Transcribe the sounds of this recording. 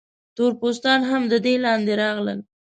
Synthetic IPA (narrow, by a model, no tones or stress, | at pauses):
t̪oɾpos̬t̪ɑnɦamd̪əd̪elɑnd̪eɾɑɣlə̰l